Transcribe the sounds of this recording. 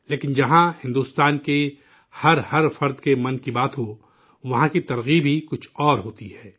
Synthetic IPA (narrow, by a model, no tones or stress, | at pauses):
leːkɪnd͡ʒɐɦãhɪ̃nd̪uːst̪aːnke | hɐɾhɐɾfɐɾd̪kemɐ̃nkibaːt̪ɦo | ʋɐɦãkit̪ɐɾɣibʱikʊt͡ʃʰɔːɾɦoːt̪ihɛː